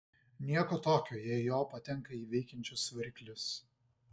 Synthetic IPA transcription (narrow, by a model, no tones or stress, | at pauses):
nʲiɛkoːt̪oːkʲoːjɛːjoːpɐt̪ʲɛŋkɐiːʋʲɛɪkʲɛnʲt͡ʃʲʊsʋɐɾʲkʲlʲʊs